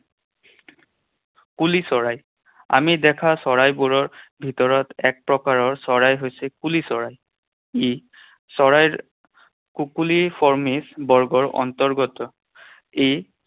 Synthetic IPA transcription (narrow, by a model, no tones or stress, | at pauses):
kulisɔɹaj | a̰midɛkʰasɔɹajbuɹɔɹbʱitɔɹɔtɛk̚pɹɔkaɹɔɹsɔɹajɦojsɛkulisɔɹaj | e | sɔɹajɹ | kukulipʰɔɹmisbɔɹɡɔɹɔ̰ntɔɹɡɔtɔ | ej